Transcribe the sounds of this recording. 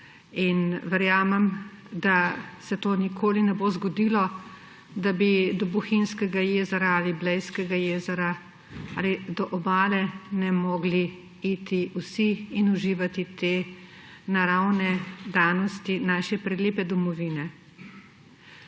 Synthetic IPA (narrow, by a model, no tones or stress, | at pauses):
inʋɛɾjaːmɛm | d̪asɛt̪oːnikʰoːlinɛboːzɡɔd̪iːlɔ | d̪abid̪ɔbɔxinskɛɡajeːzɛɾaaliblɛjskɛɡajeːzɛɾa | a̰ːlid̪ɔʔɔbaːlɛnɛmɔːɡli | it̪iusiːnuʒiːʋat̪it̪eː | naɾawnɛd̪aːnɔst̪inaːʃɛpɾɛleːpɛd̪ɔmɔʋiːnɛ